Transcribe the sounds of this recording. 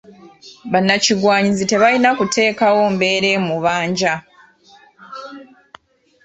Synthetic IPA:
βanːaciɡwaːɲizite̞βalinakutʰe̞ːkawo̞ːmbe̞ːɾe̞muβaːɲɟa

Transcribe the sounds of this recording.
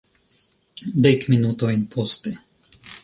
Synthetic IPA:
d̪ekminut̪ojnpʰost̪e

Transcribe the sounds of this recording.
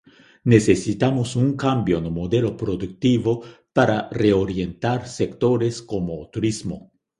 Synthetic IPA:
nesesit̪amosuŋkambjonomod̪elopɾod̪uk̚t̪iβopaɾareoɾjent̪aɾsekt̪oɾeskomot̪uɾizmo̰

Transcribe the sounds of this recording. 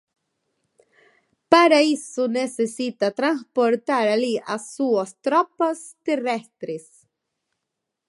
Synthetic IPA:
paɾaisunesesit̪at̪ɾanspoɾt̪aɾaliʔasuast̪ɾɔpast̪erɛst̪ɾis

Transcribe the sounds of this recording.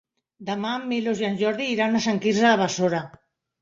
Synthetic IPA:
d̪amamːilozjanʒoɾðiːɾanasaŋkisaaβasoɾa

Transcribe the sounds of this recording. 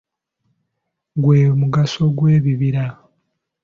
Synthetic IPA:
ɡweːmuɡaso̞ɡweːβiβiɾa

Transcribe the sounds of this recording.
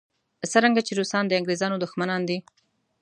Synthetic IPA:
səɾaŋɡat͡ʃeɾusɑnd̪əaŋɡɾezɑnod̪ʊxmanɑnd̪i

